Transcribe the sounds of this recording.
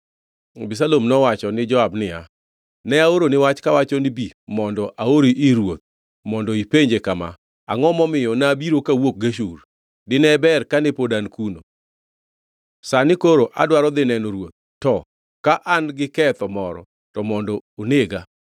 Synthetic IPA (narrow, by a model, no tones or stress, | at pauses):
bis̬alomnɔwat͡ʃɔnɪd͡ʒɔabnɪa̰ | nɛaoɾonɪwat͡ʃkawat͡ʃɔnɪbimɔndɔʔaoɾiʔɪɾwot̪̚ | mɔndɔipeɲd͡ʒekama̰ | a̰ŋɔmɔmɪjɔnabiɾokawok̚ɡaʃur | dɪnɛbɛrkanɛpodankuno̰ | sanɪkoɾoʔa̰dwaɾɔd̪ɪnɛnoɾwot̪̚ː | ɔ | kaʔanɡɪkɛt̪ɔmɔɾɔ̰ | tɔmɔndɔoneɡa